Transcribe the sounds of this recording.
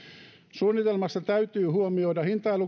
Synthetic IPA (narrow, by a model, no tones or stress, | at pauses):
suːnːit̪elmɑst̪ɑt̪æyt̪yːhuomioidɑhint̪ɑilu